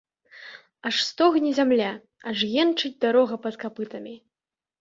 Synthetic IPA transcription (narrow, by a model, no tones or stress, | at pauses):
ɐʂst̪ɔɣnʲizʲamlʲa | ɐʐjʲɛnt͡ʂɨd͡zʲd̪aɾɔɣɐpɐt̪kapɨt̪ɐmʲi